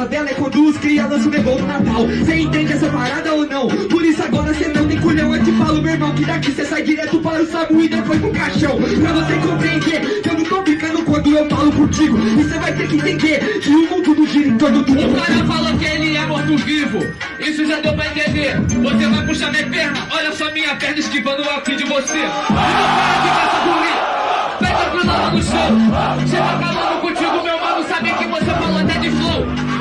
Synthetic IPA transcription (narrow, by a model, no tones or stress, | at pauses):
ɐd̪ɛlɐɛkɐ̃d̪uskɾialõsʊd̪ebõw̃d̪ʊnat̪awsẽẽnt̪ẽnd͡ʒ̪ɪɛsɐpaɾad̪ɐonɐ̃w̃pʊɾisʊaɡɔɾɐsenɐ̃w̃t̪ẽj̃kuʎɐ̃w̃ẽt̪ɪfalʊmewɪɾmɐ̃w̃kɪd̪akisesajd͡ʒiɾɛt̪ʊpaɾʊsamuid̪ɐ̃fojpʊ̃kaʃɐ̃w̃pɾɐvosekõmpɾẽjd̪ekɐ̃w̃d̪ũt̪oplikɐ̃nd̪ʊkwɐ̃nd̪ʊewfalʊpõɾt͡ʃiɡʊisevajt̪eɾkɪẽnt̪ẽnd̪eɾsiumũd̪ud̪uʒiɾĩt̪õd̪ud̪ũɔʎɐfalˠɐkɛɐliɛmõt̪uvivʊ | isuʒad̪ewpɾɐẽnt̪ẽnd̪eɾvosevajpuʃt̪aɾmẽpeɾnɐɔʎɐsɔɐmĩɲɐpɛɾd̪ɐʃkipɐ̃nd̪uawkĩd̪uvoseinɐ̃w̃pɛɐkifasɐkuʁiɾpɛd̪ɐ̃pɾũzɐlɐ̃d̪uʃsewʃsetafɐlˠɐ̃d̪ukũɾt͡ʃ̪iɣɡumewmɐ̃musabɛkivosefɐlˠoɐt̪ɛd̪iflˠow